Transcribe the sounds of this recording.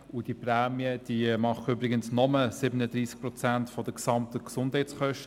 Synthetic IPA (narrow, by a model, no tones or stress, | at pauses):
ʊd̥ipræːmiəd̥iːmɑχəybɾɪɡənsnɔməsɪbənədɾiːsk̚pɾɔt͡sæntfɔd̥əksɑmtəksʊnd̥hɛæɪt͡sχœʃt